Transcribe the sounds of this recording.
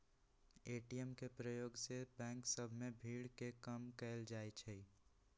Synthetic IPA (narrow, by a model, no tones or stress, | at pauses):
eːʈijəmkepɾəjoːɡsebɛ̃ːŋksəbʱmẽbʱiːɽkekəmkɛːld͡ʒaːet͡ʃʰɛi